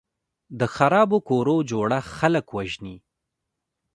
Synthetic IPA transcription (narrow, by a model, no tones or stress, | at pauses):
d̪əxaɾɑbokoɾod͡ʒoɽaxaləkwaʒni